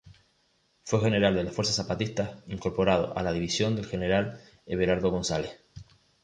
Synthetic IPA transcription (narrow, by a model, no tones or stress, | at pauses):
fwexe̞ne̞ɾald̪e̞lafwe̞ɾsasapat̪ist̪aiŋko̞ɾpo̞ɾaðo̞̰ʔalaðiβisjo̞nd̪e̞lxe̞ne̞ɾal | eβeɾaɾðo̞ɣ̞o̞nsales